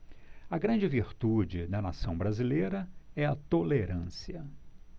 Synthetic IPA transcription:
ɐɡɾɐ̃d͡ʒɪviɾt̪ud͡ʒɪd̪ɐna̰sɐ̃w̃bɾazileɾɐɛɐt̪oleɾɐ̃siɐ

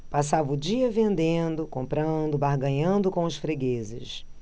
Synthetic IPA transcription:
pasavɐʊd͡ʒiɐvẽnd̪ẽnd̪ʊkõmpɾɐ̃d̪ʊbaɦɡɐ̃ɲɐ̃nd̪ʊkõw̃ɐsfɾeɡezɪ̰ʃ

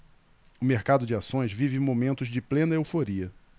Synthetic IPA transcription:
ʊmeɾkad̪ʊd͡ʒɪasõj̃zvivɪmomẽnt̪ʊzd͡ʒɪplẽnɐewfoɾiɐ

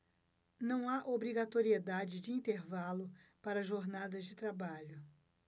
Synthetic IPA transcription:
nɐ̃w̃aʔobɾiɡat̪oɾied̪ad͡ʒɪd͡ʒɪĩnt̪eɾvalʊpaɾɐʒoɾnad̪ɐzd͡ʒɪt̪ɾabaʎʊ

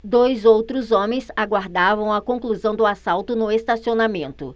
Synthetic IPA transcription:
d̪ojzowt̪ɾʊzõmẽj̃saɡwaɾd̪avɐ̃w̃ɐkõkluzɐ̃w̃d̪ʊasawt̪ʊnʊest̪asionamẽnt̪ʊ̰

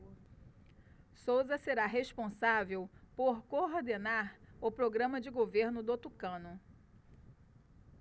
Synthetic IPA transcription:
sowzɐseɾaɦespõsavewpoɾkoɾd̪enaɾʊpɾoɡɾɐ̃mɐd͡ʒɪɡoveɾnʊd̪ot̪ukɐ̃nʊ

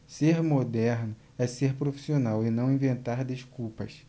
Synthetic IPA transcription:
seɾmod̪ɛɾnʊ | ɛseɾpɾofi̥sionawɪnɐ̃w̃ĩvẽnt̪aɾd̪eʃkuwpɐs

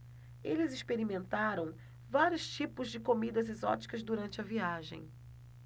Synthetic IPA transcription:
elɪziʃpeɾimẽnt̪aɾɐ̃w̃ | vaɾjʊst͡ʃipʊzd͡ʒɪkomid̪ɐzezɔ̰t͡ʃi̥kɐzd̪uɾɐ̃nt͡ʃɪɐviaʒḛ̃j̃

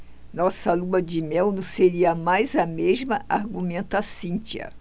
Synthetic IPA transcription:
nɔsɐluɐd͡ʒɪmɛwnɐ̃seɾiɐmajzɐmeʒmɐʔaɾɡumẽnt̪ɐsĩt͡ʃɐ̰

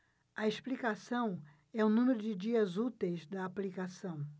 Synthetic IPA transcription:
ɐesplikasɐ̃w̃ | ɛũnũmeɾʊd͡ʒɪd͡ʒiɐzut̪ejzd̪ɐːplikasɐ̃w̃

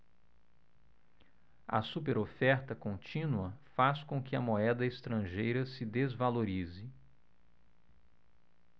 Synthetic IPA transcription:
ɐ̰supeɾofɛɾt̪ɐkõnt͡ʃĩnuɐfaskõkɪɐmoɛd̪ɐest̪ɾɐ̃ʒejɾɐsɪd̪ezvaloɾizɪ

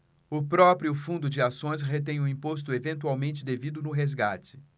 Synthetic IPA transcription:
ʊpɾɔpɾiʊfũnd̪ʊd͡ʒɪasõj̃sɦet̪̬ẽj̃ʊĩpost̪ʊevẽnt̪uawmẽnt͡ʃɪd̪evid̪ʊnʊɦezɡat͡ʃɪ̥

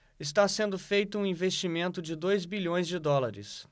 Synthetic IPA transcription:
ɪst̪asẽnd̪ʊfejt̪ʊũĩvest͡ʃimẽnt̪ʊd͡ʒɪd̪ojzbiʎõj̃zd͡ʒɪd̪ɔlaɾɪ̰s

